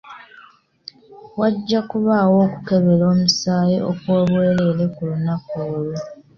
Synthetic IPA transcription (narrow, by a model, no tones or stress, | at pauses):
waɟːakuβaːwo̞ːku̥ke̞βe̞lo̞ːmusaːjeʔokwoːβwe̞ːɾeɾe̞kulunakoolu